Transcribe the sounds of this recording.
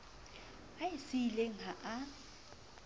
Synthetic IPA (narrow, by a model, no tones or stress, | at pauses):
aɪsɪileŋ̩ɦaʔa